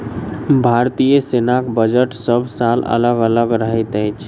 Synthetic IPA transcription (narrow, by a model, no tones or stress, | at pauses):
bʱaɾt̪ijəsenakbəd͡ʒəʈsəbʱsalə̰ləɡələɡɾəɦət̪əjt͡ʃʰ